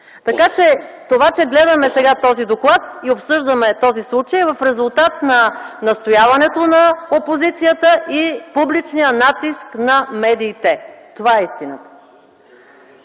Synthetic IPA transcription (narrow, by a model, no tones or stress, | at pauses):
t̪ɐkat͡ʃɛt̪ovat͡ʃɛɡlɛd̪ɐmɛsɛɡat̪ɔzid̪oklˠat̪̚iopsɤʒd̪ɐmɛt̪ɔzislˠut͡ʃəjvɐfɾɛzulˠt̪at̪nɐnɐst̪ojavɐnɛt̪onɐopozit̪sijət̪əipublit͡ʃnijənat̪isknɐmɛd̪iːt̪ɛt̪ovaɛist̪inə̰t̪ə̥